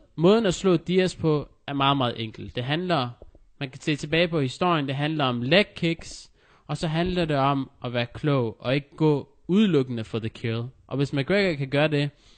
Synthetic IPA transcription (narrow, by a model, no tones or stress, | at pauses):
mɔ̽ːð̞ˠn̩æslɔ̰̽ːd̥iæspʰɒ̽ | æɐmɑ̈ːð̞̩ˠmɑ̈ːð̩ˠʔeŋ̰ɡ̥l̩d̥ːe̝ɦænlɐ | mænkæ̥se̝̰ːt͡sʰe̝b̥ɛːɪpʰɒ̽hisd̥o̝ɐ̰jənd̥e̝ɦænlɐɒ̽mleɡ̥̚kʰeɡ̥s | ɒ̽sɒ̽ɦænlɐde̝ɒ̽mʔɒʋæːɐkʰlɔʊʔɒ̽e̝ɡ̥əɡ̥ɔ̰ː | uð̞ˠlɔɡ̥ənəfɒðəkʰelˠʔɒ̽ʋe̝smæɡ̥ʁeɡ̥ɐkʰæɡ̥ɶːɐde̝